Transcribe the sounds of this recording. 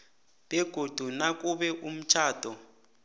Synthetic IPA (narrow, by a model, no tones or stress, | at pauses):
b̥ɛɡ̥ʱod̥ʱunak̬ʼuɓɛʔum̩t͡ʃʰaːd̥ʱɔ